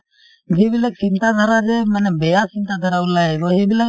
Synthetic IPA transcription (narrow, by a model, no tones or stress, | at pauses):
d͡ʒibɪlak̚t͡ʃint̪ad̪ʱaɾad͡ʒɛmɛnɛbɛjasint̪ad̪ʱaɾaulaɛɡɔɦibɪla